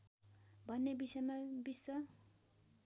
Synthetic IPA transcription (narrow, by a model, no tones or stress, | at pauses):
bʱʌnːebisʌjmabisːʌ